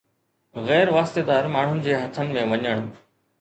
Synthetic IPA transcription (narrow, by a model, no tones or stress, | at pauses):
ɣɛːɾʋaːst̪ed̪aːɾmaːɳ̤ʊnɪ̆d͡ʑeːɦɐt̪ʰənɪ̆mẽʋɐɲəɽ̃